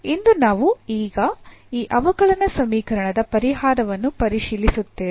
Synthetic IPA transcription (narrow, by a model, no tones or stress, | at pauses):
ind̪unaːʋuiːɡɐiːʔɐʋɐɡɐɭɐnɐsɐmiːkɐɾɐɳɐd̪ɐpɐɾiɦaːɾɐʋɐnːupɐɾiʃiːlisut̪ːe̞ː